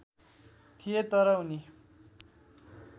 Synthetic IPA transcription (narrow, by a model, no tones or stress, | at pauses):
t̪ʰijet̪ʌɾʌɦuni